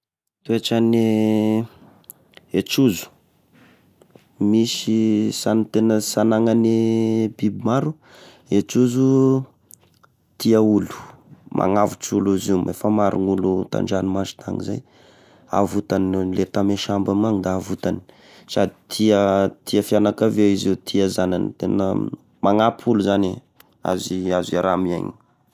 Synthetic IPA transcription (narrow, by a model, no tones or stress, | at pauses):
t̪ueʈ͡ʂane | et͡ʃuzu̥ | misisant̪enəsanaŋanibibimaɾu | et͡ʃuzu | t̪iaulu̥mʔa̰ŋavut͡suluzimʔefəmaɾṵnulut̪a̰ɳɖ͡ʐanimazi̥t̪aŋiza̰j | a̰vut̪anlet̪ameʃambamaŋd̪aavut̪ani̥ | sad̪i̥t̪ʰiət̪ʰiəfianakavewizewt̪ʰiazananit̪enə̰ | maŋapʰuluzani | a̰ziaziaɾamia̰ɲi